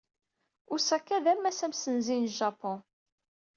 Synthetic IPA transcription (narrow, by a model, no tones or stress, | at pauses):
ʊɾsækːæðæmæsæmsənzinʒɑpɔ̃